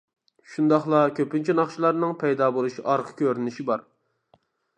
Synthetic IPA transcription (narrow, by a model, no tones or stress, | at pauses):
ʃund̪ɑχlˠɑkʲʰøpynt͡ʃʰinɑχʃilˠɑɾnɨŋpʰɛjd̪ɑbolˠuʃiʔɑɾqʰə̥kʲøɾynɪʃibɑɾ